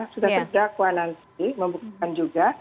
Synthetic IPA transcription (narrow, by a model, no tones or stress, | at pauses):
sudat̪ərdakwanant̪məmbuk̚t̪and͡ʒuɡa